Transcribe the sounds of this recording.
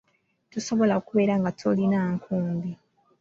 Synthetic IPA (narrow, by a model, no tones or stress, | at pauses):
tuso̞βo̞laokuβe̞ːɾaŋɡatʰolinaːŋkʰuːmbi